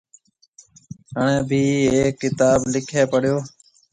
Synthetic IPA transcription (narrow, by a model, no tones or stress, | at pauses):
ɦəɳ̃ẽːbʱiːeːkːɪt̪aːblɪkʰeːpəɽjoː